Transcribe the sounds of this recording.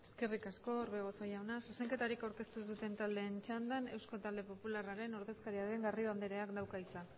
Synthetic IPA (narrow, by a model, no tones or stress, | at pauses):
e̞ske̞rikasko̞ɾβeɣ̞oso̞jawnasuse̞ŋke̞t̪aɾikawɾke̞st̪usut̪e̞nt̪ald̪e̞ːnt͡ʃand̪ane̞wskot̪ald̪e̞po̞pularaɾe̞noɾðe̞skaɾiaðe̞ŋɡariβ̞and̪eɾeakd̪awkait͡sa